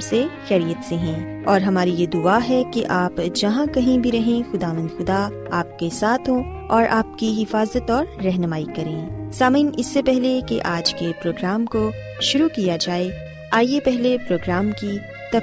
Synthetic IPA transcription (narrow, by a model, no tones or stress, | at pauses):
sexɛːɾijət̪seɦɛ̃ː | ɔːɾɦɐmaːɾijed̪ʊaːɦɛkeʔaːpd͡ʒɐɦãkɐɦĩbʱiɾɐɦẽxʊd̪aːʋə̃nd̪xʊd̪a | aːp̚kesaːt̪ʰɦõ | ɔːɾʔaːp̚kiɦɪfaːzət̪ɔːɾːɛɦnəmaːikɐɾẽːsaːmĩːnɪsːepɛɦlekeʔaːd͡ʒkepɾoːɡɾaːmko | ʃʊɾukijad͡ʒaːe | aːijepɛɦlepɾoːɡɾaːmki | t̪ɐ